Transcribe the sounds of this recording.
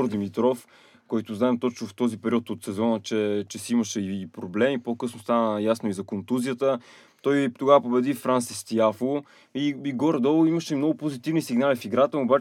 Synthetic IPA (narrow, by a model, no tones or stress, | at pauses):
ɾd̪imit̪ɾɔf | kɔjt̪ʊznaɛmt̪ɔt͡ʃnʊft̪ɔzipɛɾʲiɔt̪ot̪sɛzɔnət͡ʃɛt͡ʃɛsiiməʃɛiːpɾoblɛmipokɤsnʊst̪anəjasnʊizɐkont̪uzijət̪ə | t̪ɔjt̪oɡavəpobɛd̪ifɾansist̪iafˠo | ibiɡɔɾd̪əlˠiməʃɛmnɔɡʊpozit̪ivnisiɡnalifiɡɾat̪əoba